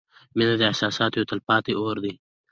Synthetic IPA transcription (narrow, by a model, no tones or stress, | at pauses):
minad̪ehsaːsaːt̪joːt̪ɐlpaːt̪ioːɾd̪i